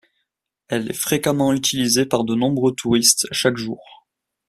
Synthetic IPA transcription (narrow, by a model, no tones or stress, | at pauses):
ɛlɛ̰fχekamɑ̃yt̪ʰilizepaʁd̪ənɔ̃bʁøt̪ʰuʁist̪ʃakʒuːʁ